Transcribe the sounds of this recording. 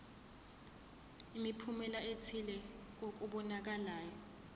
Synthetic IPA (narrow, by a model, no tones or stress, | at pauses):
imipʰumɛlaetʰilɛ | k̬ok̬uɓɔnak̬alaːjɔ